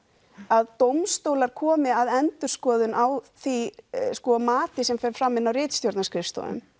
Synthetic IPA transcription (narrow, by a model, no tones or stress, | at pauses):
aðt̪owmst̪owlaɾ̥kʰɔːmɪaðɛnt̪ʏɾ̥skɔːðʏnʔawθiskɔmaːt̪ɪsɛmfɛɾ̥fɾamːɪnːawrɪːt̪st̪jowɾt̪naskʰɾɪfst̪ṵʏ̰m